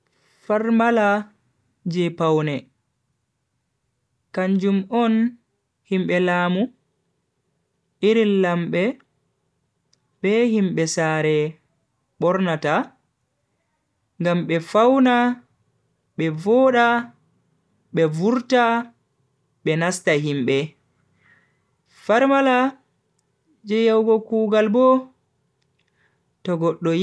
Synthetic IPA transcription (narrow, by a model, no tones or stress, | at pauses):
faɾmala | d͡ʒɛpawnɛ | kaɲd͡ʒumɔn | himɓɛlaːmu | ʔiɾilːamɓɛ | ɓɛhimɓɛsaːɾɛ | ɓɔɾnata | ŋɡamɓɛfawna | ɓɛvɔɗa | ɓɛvuɾta | ɓɛnastaɦimɓɛ | faɾmala | d͡ʒɛjawɡɔkuːɡalbɔ | tɔɡɔɗːɔ